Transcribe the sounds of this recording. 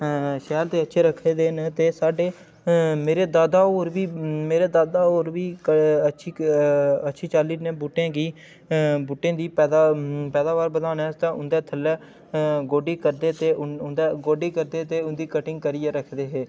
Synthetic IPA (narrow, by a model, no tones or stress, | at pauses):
ʃɛːɾt̪eːətːʃʰeːɾəkʰːeːd̪eːnt̪eːsaːɖeː | meːɾeːd̪aːd̪aːoːɾbiːmeːɾeːd̪aːd̪aːoːɾbiːkəətːʃʰiːətːʃʰiːt͡ʃaːliːnẽːbuːʈːẽːɡiː | buːʈːẽːd̪iːpɛːd̪apɛːd̪aːʋaːɾbəd̪aːnɛːst̪ãːʔʊnd̪eːt̪ʰəlɛː | ɡoːɖiːkəɾd̪eːt̪eːʊʊnd̪eːɡoːɖiːkəɾd̪eːt̪eːʊnd̪iːkəʈɪŋɡ̚kəɾiːeːɾəkʰd̪eːɦeː